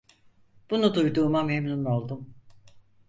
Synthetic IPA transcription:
b̥unud̪ujd̪uːmamemnuno̞lˠd̪um

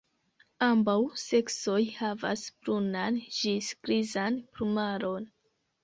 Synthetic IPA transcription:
ambawse̞kso̞jhava̰sbɾunanʒiskɾizanpɾumaɾon

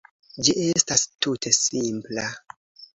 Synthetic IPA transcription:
d͡ʒiʔe̞stastutʰe̞simpla

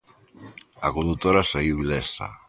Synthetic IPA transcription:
akond̪ut̪oɾasaiwβilɛsa̰

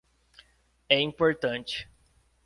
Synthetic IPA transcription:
ɛĩpoɾt̪ɐ̃nt͡ʃɪ̥

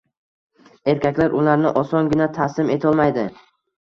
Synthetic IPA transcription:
e̞ɾkʲakʲlaɾʔʊlaɾnɪʔɒsɒnɡʲɪnat̪ʰasɪme̞t̪ʰɒlˠmajd̪ɪ

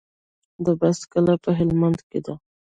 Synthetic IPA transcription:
d̪əbaskalapəɦɪlmand̪ked̪a

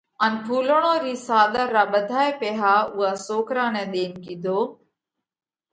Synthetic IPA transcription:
ənpʰuːləɳ̃oːɾiːsaːɗ̪əɾːaːɓəd̪ʱaːeːpeːɦaːʊɦaːsoːkɾãːnɛ̃ːɗ̪eːnkĩːd̪ʱoː

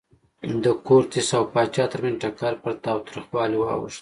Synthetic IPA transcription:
d̪əkoɾt̪isawpɑt͡ʃɑt̪əɾmenʈakɑɾpəɾt̪ɑwt̪ɾixwɑliwɑ̰wə̰ʃt̪

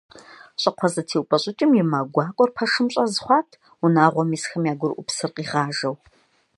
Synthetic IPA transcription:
ɕʼɐqʷʰɔzɐtʰeːwʊpʼɐɕʼɪt͡ʃʼɪmjɪmaːɡʷɑːkʷʼɔrpʰɐʂɨmɕʼɐzχʷɑːtʰ | unaːʁʷɔmiːsxɐmjaːɡʷʊɾʔʷʊpsɨrqʼiːʁaːʒɐw

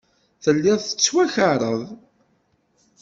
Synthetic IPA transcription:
θəlːɪðθə̥t͡sːwæçəɾˤəðˤ

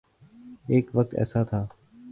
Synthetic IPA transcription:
eːkʋək̚t̪ɛ̰ːsaːt̪ʰaː

